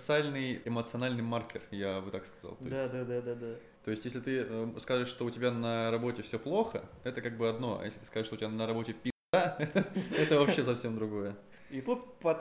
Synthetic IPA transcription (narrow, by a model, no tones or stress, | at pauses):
t̪sɨalʲnɨjɪmət̪sɨɐnalʲnɨjmarkʲɪrjabɨt̪akskɐ̥za̰lˠt̪oɪsad̪ad̪ad̪ad̪a | t̪o̞jɪsʲtʲjeslʲɪt̪ɨəskazɨʂːt̪oʊtʲɪbʲanəɾɐbo̞tʲɪfsʲoplˠo̞xə̰ɛt̪əkaɡ̚bɨɐd̪no̞ɐ̰jesʲlʲɪt̪ɨ̥skaəɨʂt̪oʊtʲɪbanəɾɐbo̞tʲɪpʲɪ | aɛt̪əɛt̪əvɐpɕːesɐfsʲemd̪ɾʊɡo̞jə | it̪ut̪pɐ